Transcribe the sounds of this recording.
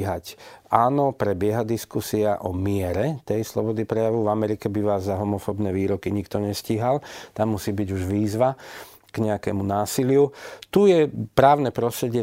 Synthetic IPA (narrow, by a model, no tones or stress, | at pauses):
ɦacaːnɔpɾɛbɪɛɦad̪iskusiaʔɔmɪɛɾɛt̪ɛjslɔbɔd̪ipɾɛjaʋɔvamɛɾikɛbiʋaːzːaɦɔmɔfɔbnɛːʋiːɾɔkiɲikt̪ɔɲɛsciɦalt̪amːusiːbiɟuʒʋiːzʋa | ɡ̥ɲɛakɛmunaːsilɪut̪ujɛpɾaːʊnɛpɾɔst̪ɾɛɟɪɛ